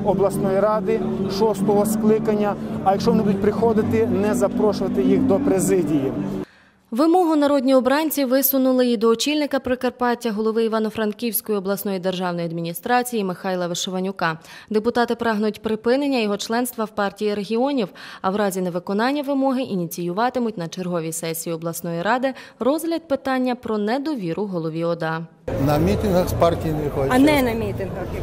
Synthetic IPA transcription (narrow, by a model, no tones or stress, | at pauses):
ɔblˠɐsnɔjiɾɑd̪ɪ | ʃɔst̪ɔɦɔsklˠɪkɐnʲːɐɐjɐkʃɔʋɔnɪbud̪ʊt̚ʲpɾɪxɔd̪ɪt̪ɪnɛzɐpɾɔʃʊʋɐt̪ɪjixd̪ɔpɾezɪdʲiji | ʋɪmɔɦʊnɐɾɔdʲnʲiɔbɾɑnʲt͡sʲiʋɪsʊnʊlˠɪid̪ɔːt͡ʃilʲnɪkɐpɾɪkɐrpɑtʲːɐɦɔlˠɔʋɪiʋɑnɔfɾɐnkʲiwʲsʲkɔjiɔblˠɐsnɔjid̪erʒɑwnɔjiɐd̪mʲinʲist̪ɾɑt͡sʲijimɪxɑjlˠɐʋeʃɔʋɐnʲʊkɑd̪epʊt̪ɑt̪ɪpɾɑɦnʊtʲpɾɪpɪnenʲːɐjɔɦɔt͡ʃlˠɛn̪st̪ʋɐwpɑrtʲijiɾe̞ɦʲiɔnʲiwɐwɾɑzʲineʋɪkɔnɑnʲːɐʋɪmɔɦɪʔinʲit͡sʲijʊʋɑt̪ɪmʊtʲnɐt͡ʃerɦɔʋʲisɛsʲijiɔblˠɐsnɔjiɾɑd̪ɪrɔzɦlʲɐd̪̚pɪt̪ɑnʲːɐpɾɔnɛd̪ɔʋʲiɾʊɦɔlˠɔʋʲiɔd̪ɑ | nɐmʲit̪ʲɪnɦɐxspɑrtʲijinexɔnɛnɐmʲit̪ʲɪnɦɐx